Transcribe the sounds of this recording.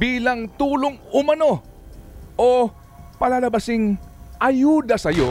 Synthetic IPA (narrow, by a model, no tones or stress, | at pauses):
biːlɐŋt̪uːloŋʊmɐno̞ | ʔo | pɐlaːlɐbɐsɪŋʔɐjuːd̪ɐsɐjo̞